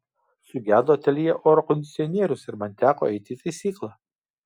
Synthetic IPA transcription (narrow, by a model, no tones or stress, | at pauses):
sʊɡʲæːd̪oːt̪ʲɛlʲɪjɛʔoːɾɔkɔnd̪ʲɪt̪ʲɪɔnʲiɛɾʲʊsɪɾmɐnt̪ʲæːko̰ːɛɪt̪ʲɪt̪ɐɪsʲiːklˠɑ